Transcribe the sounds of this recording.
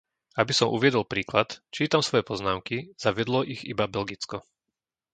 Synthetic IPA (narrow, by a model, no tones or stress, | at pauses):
abisɔmʔṵʋɪɛd̪ɔlpɾiːklat̪t͡ʃiːt̪amsʋɔjɛpɔznaːʊkiz̥aʋɪɛd̪lɔʔiɣḭbabɛlɡit͡skɔ